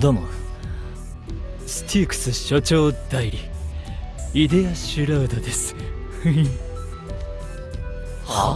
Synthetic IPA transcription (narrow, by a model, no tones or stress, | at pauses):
d̪omo | sɨ̥t̪ʰiːkɯ̥sɨɕot͡ɕo̞ːd̪aiɾʲi | id̪e̞aɕɨɾaɯd̪od̪e̞sɨ̥ | ha